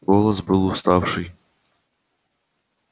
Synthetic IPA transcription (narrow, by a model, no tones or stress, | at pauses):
ɔlˠɐsbɨlˠʊst̪ɑwʂɨj